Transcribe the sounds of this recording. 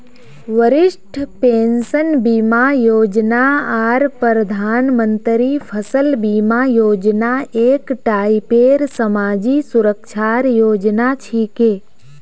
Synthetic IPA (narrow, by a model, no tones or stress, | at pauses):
ʋəɾɪʃʈʰpeːnsənbiːmajoːd͡ʒnaaːɾpəɾəd̪ʱaːnmə̃nt̪ɾipʰəsəlbiːmajoːd͡ʒnaeːkʈaːipeːɾsəmaːd͡ʒisʊɾəkʃʰaːɾjoːd͡ʒnat͡ʃʰikeː